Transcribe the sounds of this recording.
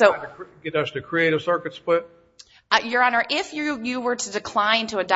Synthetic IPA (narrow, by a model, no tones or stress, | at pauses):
soʊɡɛɾʌstɨkʰɹ̥ieɪɾɨv̥sɜ˞kɨtspʰɪt̚ | jə˞ɑ̃nə˞ʔɪfjɨjɨwə˞ɾɨdɨkʰl̥ãɪ̃ntʰəːdɑ